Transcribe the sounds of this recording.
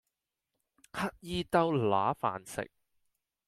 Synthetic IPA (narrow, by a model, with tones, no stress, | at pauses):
hɐ˧˥t̚jiː˧t̪ɐ˧wlaː˨˥fa̰ː˨nsɪ̰˨k̚